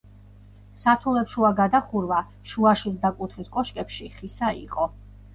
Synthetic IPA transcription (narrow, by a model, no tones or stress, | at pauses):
sat̪ʰulɛpʃuaɡad̪aχuɾva | ʃuaʃisd̪akʼut̪ʰχiskʼɔʃkʼɛpʃiχisaḭqʼɔ